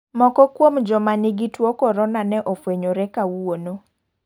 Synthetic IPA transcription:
mɔkɔkwomd͡ʒɔmanɪɡitwokɔɾɔnanɛʔɔfweɲoɾɛkawono

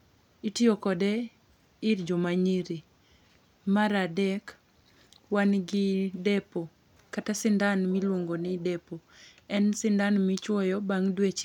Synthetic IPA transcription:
itiokɔdɛ | ɪrd͡ʒomaɲiɾi | maɾadɛk | wanɡɪdepo | katasɪndanmɪlwoŋɡonɪdɛpo | ɛnsɪndanmɪt͡ʃwɔjɔbaŋdwet͡ʃ

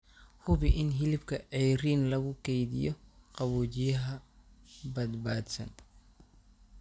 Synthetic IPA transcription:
hʊβɪʔɪnɦɪlɪbkʰɐʔɛjɾiːnlɐɣʊkʰɛjðɪ̰jɔqɑβuːt͡ʃɪjɐɦɐ | bɐd̪baːd̪sɐ̰n

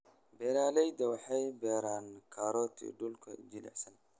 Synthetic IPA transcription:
bɛːɾaːlɛjd̪ɐwɑħɑjbɛːɾaːnkʰaːɾɔːt̪ʰḭɖʊlkʰɐ̰d͡ʒɪlɛ̰ħsɐn

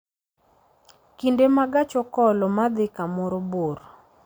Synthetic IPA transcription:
kindemaɡat͡ʃɔkɔlɔmad̪ɪkamɔɾɔboɾ

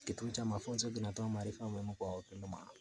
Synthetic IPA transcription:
kituut͡ʃamafunzok̬inatoamaɾifamwemukwaokinduma̰ːa

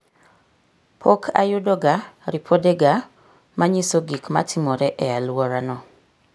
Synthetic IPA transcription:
pʰokʰa̰jʊdɔɡaɾipʰodeɡa | maɲisoɡikma̰tʰɪmɔɾɛʔɛalwɔɾanɔ

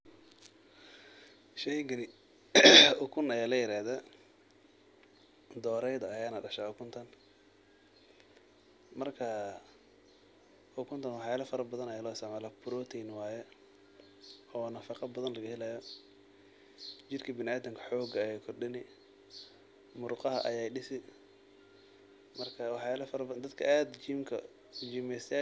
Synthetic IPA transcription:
ʃɛjɡɐnɪ | ʊkʰʊnɐjaːlɐjɪɾaːhða | d̪ɔːɾɛjðɐːjaːnɐɖɐʃaʊkʰʊnt̪ʰɐn | mɐrkʰɐ | ʔʊkʰʊnt̪ʰɐnwɑħjaːlɐfɐɾɐbɐðɐnɐjaːlɔːɪst̪ʕmɛːlabʊɾɔt̪ʰinwaːjɛ | ɔwnɐfɑqɑbɐðɐnlɐɣɐhɪlajɔ | t͡ʃɪrkʰɐbɪnaːd̪ɐmkʰɐ̥ħɔːɡɐɛjkʰɔrɖɪnɪ | mʊɾqɑɦɐʔɐjaːjɖɪsɪ | mɐrkʰɐwɑħjaːlɐfɐɾɐbd̪ɐd̪kʰɐʔaːd̪d͡ʒiːmkʰɐ̰ | d͡ʒiːmɛjsɛ

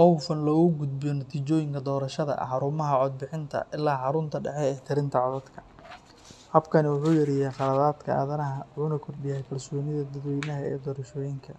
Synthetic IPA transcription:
ɔwfɐnlɔːɣʊɡʊd̪̚bɪjɔnɐt̪ʰiːt͡ʃɔːjɪŋkʰɐd̪ɔːɾɐʃɐðɐ̰ħɑɾʊmɐɦɐʕɔd̪̚bɪħɪnt̪ʰɐ̰ʔɪlːaːħɑɾʊnt̪ʰɐɖɛħɛɛːt̪ʰɪɾɪnt̪ʰɐʕɔðɐd̪kʰɐ | hɐbkʰɐnɪwʊħuːjɐɾɪjaːχɑlɐðaːd̪kʰɐʔa̰ːðɐnɐɦɐʊnɐkʰɔrbɪjɛjkʰɐlsɔːnɪðɐd̪ɐðwɔjnɐɦɐɛ̰ːd̪ɔːɾɐʃɔːjɪŋkʰɐ

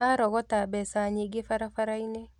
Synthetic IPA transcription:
aɾɔɡɔtabɛsaɲeɡefaɾafaɾaine

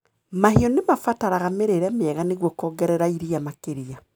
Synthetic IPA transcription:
mahiɔnemafataɾaɣameɾeɾɛmeɛɣaneɣwɔkɔːɡɛɾɛɾaiɾiamakeɾia

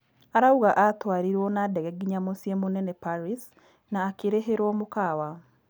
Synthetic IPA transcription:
aɾauɣaʔatwaɾiɾwɔnadɛɣɛɡiɲamosijɛmonɛnɛpaɾis | naːkeɾeɦeɾwɔmokawa

